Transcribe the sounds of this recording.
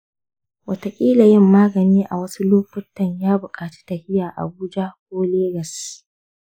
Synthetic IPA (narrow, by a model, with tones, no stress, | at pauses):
wɐ˨ta˨kʲʼiː˦la˨jɪ˦mːaː˦ɡɐ˨niː˦ʔa̰˨wɐ˦su˦loː˦ɸʊ˦tːɐ˨ɲjaː˦bʊ˨kʼaː˨t͡ʃi̥˦tɐ˨hɪ˦jaː˨ʔa̰˨buː˦d͡ʒa˦kʷoː˦leː˦ɡɐ˨s